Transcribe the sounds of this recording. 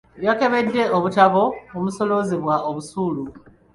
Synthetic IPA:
βjake̞βe̞dːe̞oβutaβoomuso̞lo̞ziβwaʔoβusuːlu

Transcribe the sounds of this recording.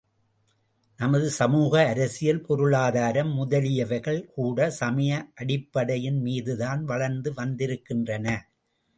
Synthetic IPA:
nɐmɐðɯsɐmuːɣɐːɾɐsɪjɐlpɔɾɯɭaːðaːɾɐmːʊðɐlɪjɐʋɐɪɣɐɭkuːɽɐsɐmɐjɐʔɐɽɪpːɐɽɐjɪnmiːðɯðaːnʋɐɭɐɾnd̪ɯʋɐnd̪ɪɾɯkːɪndrɐnɐ

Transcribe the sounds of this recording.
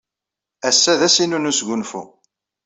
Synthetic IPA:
æsːæðæsinunusɡʷʊnfṵ

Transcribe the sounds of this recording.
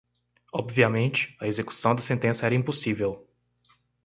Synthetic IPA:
ɔbviɐmẽnt͡ʃɪ̥ɐezeku̥sɐ̃w̃d̪ɐsẽnt̪ẽsɐɛɾɐĩposivew

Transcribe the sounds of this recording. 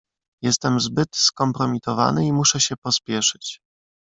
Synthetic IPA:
jɛst̪ɛmzbɘt̪skɔmpɾɔmʲit̪ɔva̰nɘimuʂɛɕɛpɔspʲjɛʂɘt͡ɕ

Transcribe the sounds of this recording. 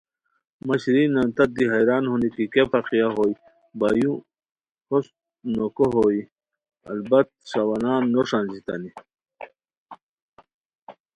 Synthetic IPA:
mɐɕɾinant̪ɐd̪iɦajɾaːnhunikikepaqijaɦoːj | bajũ | hos | nokoɦoi | ɐ̰lbɐt̪̚sawanaːnːoʂãːnzit̪a̰ni

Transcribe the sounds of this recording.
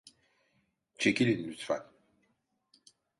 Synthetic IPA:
t͡ʃʰekʲilʲinlyt̪fan

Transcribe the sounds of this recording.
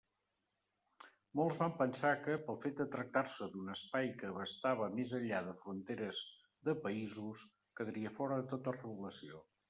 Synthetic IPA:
molˠzβampənsakəpəlˠfet̪̚d̪ət̪ɾək̚t̪aɾsəd̪unəspajkəβəst̪aβ̞əmezəʎːaðəfɾunt̪eɾəz | ðəpəizus | kəðəɾiəfɔɾəðət̪ot̪ərəβuləsio

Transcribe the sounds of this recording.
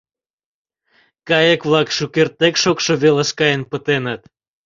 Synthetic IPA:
kɑjekβlɑkʃukert̪ːekʃokʃoβeləʃkɑjənpət̪enət̪

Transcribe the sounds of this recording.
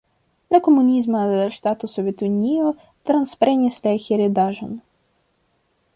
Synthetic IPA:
d̪lʲɐkɔmʊnʲizmɐʃt̪at̪ʊsɔʋʲit̪ʊnʲijʊ | t̪ɾɐnspɛɾɛnʲisʲlʲɛxʲiɾɪd̪aʒɐn

